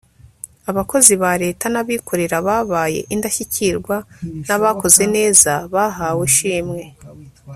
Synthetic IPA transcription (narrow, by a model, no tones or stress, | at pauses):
aβako̞ziβaɾe̞ːtanaβikʰo̞ɾe̞ɾaβaːβaːje̞̰ʔindaçiciɾɡwanaβako̞ze̞ne̞ːzaβaɦaːweʃiːmŋe̞